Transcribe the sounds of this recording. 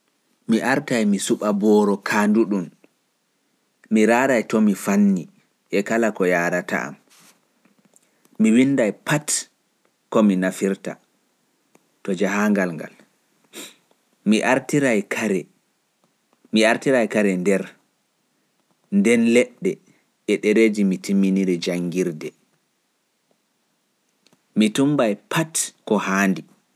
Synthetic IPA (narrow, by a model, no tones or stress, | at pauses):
miʔaɾtajmisuɓabɔːɾɔkʰanduɗum | miɾaːdajtɔmifanːi | ʔɛkalakɔjaːɾata̰a̰m | miwinːdajpat | kɔminafiɾta̰ | tɔd͡ʒaɦaŋɡalŋɡa̰l | miʔaɾtiɾajkaɾɛ | miaɾtiɾajkaɾɛndɛɾ | ndɛnlɛɗːɛ | ɛɗɛɾeːd͡ʒimitimːiniɾɛd͡ʒaŋɡiɾdɛ | mitumbajpʰatkɔhaːndi